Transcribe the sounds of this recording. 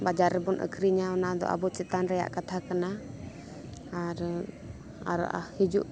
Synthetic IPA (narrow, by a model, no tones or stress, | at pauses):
bad͡ʒaɾɛbɔnʔə̰kʰɾiɲaɔnad̪ɔ̰ʔa̰bɔt͡ʃɛt̪anɾaja̰ʔkat̪ʰakana | aɾ | a̰ɾa̰ʔa̰hid͡ʒuʔ